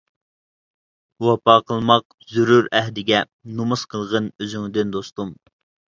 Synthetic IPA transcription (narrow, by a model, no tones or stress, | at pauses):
wɑpɑːqʰəlˠmɑq̚ | zyɾuɾɛɦd̪ɪɡʲɛ | numusqʰəlˠʁənøzyŋd̪ɪnd̪ost̪um